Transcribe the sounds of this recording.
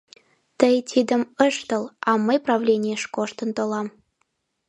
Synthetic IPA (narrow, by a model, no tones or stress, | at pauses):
t̪əjt̪ʲʰid̪ə̆məʃt̪ə̆lɑməjprɑvlʲenʲijəʃkoʃt̪ə̆nt̪olɑm